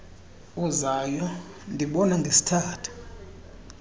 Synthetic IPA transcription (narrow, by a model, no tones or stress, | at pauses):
uzajɔ | ndʱiɓɔnaŋɡʱesi̥tʰaːtʰu̥